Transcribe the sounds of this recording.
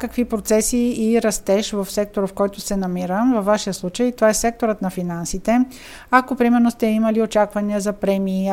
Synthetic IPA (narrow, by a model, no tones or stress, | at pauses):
kəkvipɾot̪sɛsiːɾɐst̪ɛʃvəfsɛk̚t̪oɾəfkɔjt̪ʊsɛnɐmiɾəvɐfvːaʃijəslˠut͡ʃəjt̪ovaɛsɛk̚t̪oɾət̪nɐfinansit̪ɛ | akopɾimɛɾnost̪ɛiməliot͡ʃakvɐniəzɐpɾɛmiː